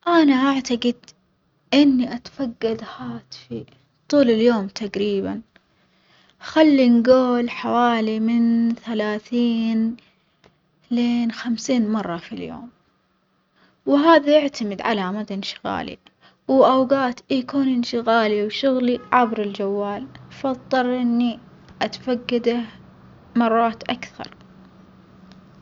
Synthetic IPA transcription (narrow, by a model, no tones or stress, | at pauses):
ʔanaʔaʕt̪aɡɪd̪ | ʔɪnːiʔat̪faɡːad̪haːt̪fi | t̪ˤuːlɪljoːmt̪ʰaɡɾiːba̰n | xalːinɡoːlħawaːlimɪnθalaːθiːn | leːnxamsiːnmɑrˤːɑfiljo̰ːm | wɦaːðajɪʕt̪amɪd̪ʕalamad̪aɪnʃɪ̥ɣa̰ːlḭ | wʔawɡaːt̪ʔikuːnʔɪnʃɪɣaːliwʃʊɣliʕabɾɪld͡ʒawːaːlfɑðˤːɨɾʔɪnːi | ʔat̪faɡːad̪a | mɑrˤːɑːt̪ʔakθɑ̰ɾˤ